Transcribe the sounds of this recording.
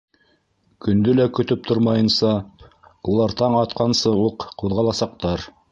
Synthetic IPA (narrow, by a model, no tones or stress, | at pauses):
kɵ̆nd̪ɵlækɵ̆t̪ɵp̚t̪ʰoɾmɑjɤ̆nsɑ | ulˠɑɾt̪ɑɴɑt̪qɑnsɤuqquðʁɑlˠɑsɑq̚t̪ɑɾ